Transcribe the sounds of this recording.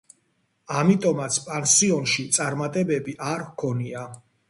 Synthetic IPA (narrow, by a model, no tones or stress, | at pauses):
amit̪ʼɔmat̪sʰpʼansiɔnʃit̪sʼaɾmat̪ʼɛbɛbiʔaɾkʰɔnia